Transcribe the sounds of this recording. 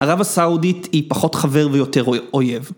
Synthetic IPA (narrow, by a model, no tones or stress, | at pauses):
haʁavasauditipaχo̞tχaveʁvejo̞te̞ʁojev